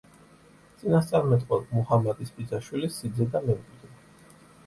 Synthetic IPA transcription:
t̪sʼinast̪sʼaɾmɛt̪ʼqʼwɛlˠmuhamat̪ʼispʼid̪zaʃwilisːid̪zɛd̪amɛmkʼwid̪ɛ

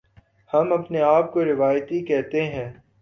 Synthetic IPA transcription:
hɐmɐpneaːp̚koɾɪʋaːjt̪ikɛɦt̪eɦɛ̃ː

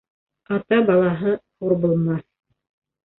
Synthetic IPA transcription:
ɑt̪ɑbɑlˠɑɦɤhuɾbulˠmɑθ

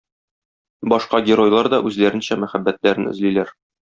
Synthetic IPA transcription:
bɒʃqɑɡʲeɾo̞jlˠɑɾd̪ɒʔʉzlæɾɘ̆nɕæmæχæbːæt̪læɾɘnɘ̆zlilæɾ

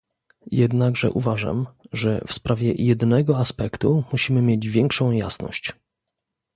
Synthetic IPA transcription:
jɛd̪naɡʐɛ̰ʔuvaʐa̰mʐɛ̰fspɾʔavʲjɛjɛd̪nɛɡɔaspɛkt̪umuɕimɘmjed͡ʑvʲjɛŋkʂɔ̃w̃ja̰snɔ̰ɕt͡ɕ

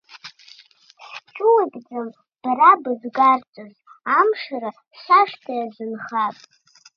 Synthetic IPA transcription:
ʃt͡ʃʼʊwabʼd͡zam | b̥aɾabɨzɡart͡sʷʼozamʂaɾa | ɕʷaʂtʰajaʒʷɨnχapʼ

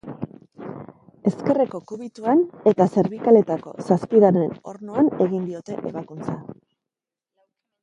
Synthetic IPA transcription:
e̞ske̞reko̞kuβit̪uane̞t̪ase̞ɾβikale̞t̪ako̞̰saspiðane̞no̞̰ɾnoane̞ɣind̪io̞t̪e̞ʔe̞βakunt͡sa

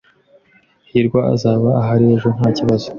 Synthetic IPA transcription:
hiɾɡwaa̰zaːβaaɦaɾieʒo̞ŋ̥haːciβazo̥

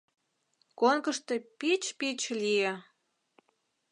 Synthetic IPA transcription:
konkəʃt̪epit͡ɕpit͡ɕlije

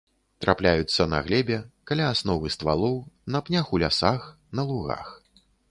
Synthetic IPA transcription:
t̪ɾʔaplʲajut̪sːɐnɐ̰ɣlʲɛbʲɛkalʲaːsnɔvɨst̪va̰lˠɔwnɐpnʲaxulʲasax | nɐlˠuɣa̰x

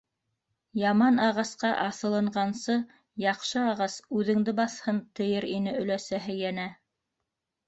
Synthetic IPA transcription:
jɑmɑnɑʁɑsqɑʔɑsɤ̆lˠɤ̆ɴɢɑnsɤ | jɑqʃɤɑʁɑsʉðɘ̆ŋd̪ɘbɑθhɤnt̪ɤ̆jɤɾinɘɵ̆læsæɦɘjænæ

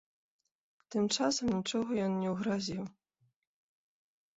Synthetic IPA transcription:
t̪ɨmt͡ʂasɐmnʲit͡ʂɔɣɔjɔnːʲɛwɣɾazʲiw

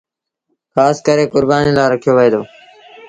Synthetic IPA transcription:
xaːskəɾeːkʊɾbaːniːlaːɾəkʰijoːʋəeːd̪oː

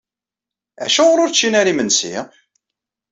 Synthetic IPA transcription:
æ̰ʃæʁɾʊɾt͡ʃːinæɾimənsḭ

